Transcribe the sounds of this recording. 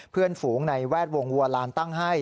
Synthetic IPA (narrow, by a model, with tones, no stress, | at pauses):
pʰɯ˥˩ənfuː˩˦ŋna˧jwɛː˥˩t̪̚wo˧ŋwu˧əlaː˦˥nt̪a˥˩ŋɦa˥˩j